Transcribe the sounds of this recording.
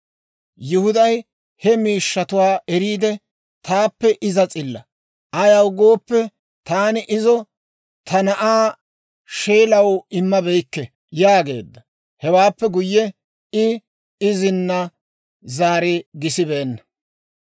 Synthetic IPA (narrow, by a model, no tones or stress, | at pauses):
jʊhʊd̪ɐj | hɛmiːʃːɐt̪ʊwaːʔɛɾiːd̪ɛ | t̪aːpːɛʔɪzɐt͡sʼɪlːɐ̰ | ɐjɐwɡo̞ːpːɛ | t̪aːnɪʔɪzɔ | t̪ɐnɐʔaː | ʃeːlɐwɪmːɐbɛjkːɛ | jaːɡe̞̰ːd̪ːɐ | hɛwaːpːɛɡʊjːɛ | ɪ | ɪzɪnːɐ | zaːɾɪɡɪsɪbeːnːɐ